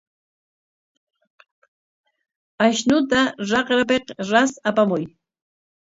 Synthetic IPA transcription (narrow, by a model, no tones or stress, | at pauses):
aʃnʊt̪aɾɑqɾap̬eqɾasapamʊj